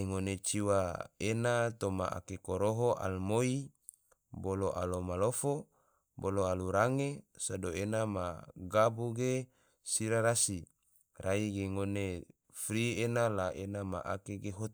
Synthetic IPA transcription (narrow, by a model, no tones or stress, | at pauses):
eŋonet͡ʃiwaenat̪oma̰ʔa̰kekoɾoɦoʔa̰lmoi | boloʔa̰lomalofo | boloaluɾaŋesadoenamaɡabuɡe | siɾaɾasi | raiɡeŋone | fɾienalaʔenama̰ʔa̰keɡeɦot̪